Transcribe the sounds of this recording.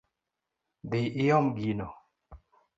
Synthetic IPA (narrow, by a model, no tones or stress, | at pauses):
d̪ɪʔɪɔmɡinɔ